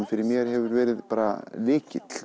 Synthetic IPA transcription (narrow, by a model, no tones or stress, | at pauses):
fɪɾɪɾmjɛɾ̥ɦɛvʏɾvɛːɾɪðpaːɾalɪːcɪt̪l̥